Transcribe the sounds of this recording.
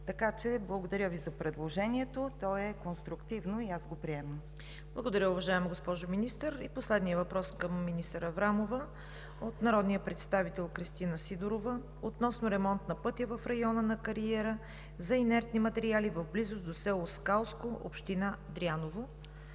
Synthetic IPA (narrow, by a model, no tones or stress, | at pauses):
t̪ɐkat͡ʃɛblˠəɡod̪ɐɾʲəvizɐpɾɛd̪lˠoʒɛniɛt̪ot̪ɔɛkonst̪ɾʊkt̪ivnoiasɡopɾiɛməm | blˠəɡod̪ɐɾʲəʊvɐʒaɛmɡospɔʒominist̪əɾiposlɛd̪nijəvɐpɾɔskəmːinist̪əɾəvɾamovə | ot̪nɐɾɔd̪nijəpɾɛt̪st̪avit̪ɛlˠkɾist̪inəsid̪oɾovə | ot̪nɔsnʊɾɛmɔnt̪nɐpɤt̪jəvəfɾɐjɔnənɐkɐɾiɛɾə | zɐinɛɾt̪nimɐt̪ɛɾialivəvblizosd̪osɛlˠoskalˠskoʔo̰pʃt̪inad̪ɾianovo